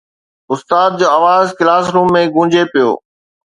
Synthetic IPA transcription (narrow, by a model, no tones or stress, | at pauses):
ʊst̪aːd̪̚d͡ʑoːaːʋaːzkɪlaːsɾũːmːẽɡũːd͡ʑepijo̰ː